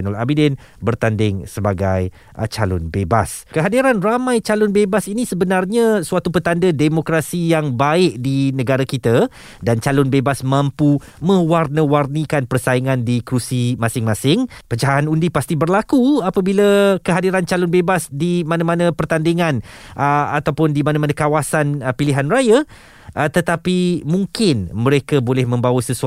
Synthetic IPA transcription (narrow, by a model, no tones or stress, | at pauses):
nɔla̰bidɛn | bərt̪andɪŋsəbaɡa̰j | t͡ʃalʊ̰nbeba̰skəɦadiɾanramãjt͡ʃalʊnbebasinisəbənarɲãsuat̪upət̪andədemokɾasijaŋbaɪʔ̚dinə̃ɡaɾakit̪a | dant͡ʃalʊnbebasmãmpu | mə̃warnəwarnikanpərsaiŋãndikɾusimãsɪŋmãsɪŋpət͡ʃaɦaanundipast̪ibərlakuapabiləkəɦadiɾant͡ʃalʊnbebasdimãnãmãnə̃pərt̪andiŋãnəat̪awpʊndimãnãmanãkawasanpiliɦanraja | ʔt̪ət̪apimũŋkɪnmə̃ɾekabolɛhmə̃mbawəsəsu